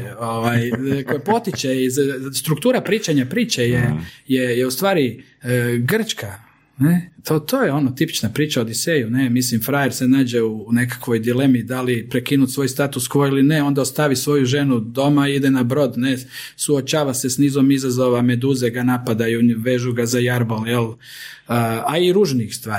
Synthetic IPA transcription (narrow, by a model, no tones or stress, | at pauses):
oʋajkojepo̞t̪it͡ʃeizst̪ɾukt̪uːɾapɾiːt͡ʃaɲapɾiːt͡ʃejejejeust̪ʋaːɾi | ɡr̩t͡ʃka | net̪ot̪ojeo̞not̪ipi̥t͡ʃnapɾiːt͡ʃaod̪isejunemislimfɾajeɾse̞naːd͡ʑe̞une̞kḁkʋo̞jd̪ile̞mid̪alipɾekinut̪sʋo̞jst̪at̪uskoilineo̞nd̪aost̪aʋisʋo̞juʒe̞nud̪o̞maid̪enabɾo̞d̪ne | suot͡ʃaːʋase̞sniːzo̞mizazo̞ʋame̞d̪uzeɡanapad̪ajuʋeʒuɡazajaɾboljel | aiɾuʒnixst̪ʋaːɾi